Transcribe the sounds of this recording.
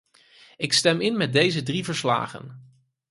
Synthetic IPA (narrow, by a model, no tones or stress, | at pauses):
ɪkstɛmɪnmɛt̚dejzədrivəɹsla̰ːχə̰n